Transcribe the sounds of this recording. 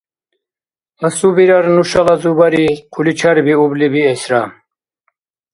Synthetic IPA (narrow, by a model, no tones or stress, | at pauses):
asubiɾaɾnuʃalazubaɾiqʰulit͡ʃʰaɾbiublibiɛsɾam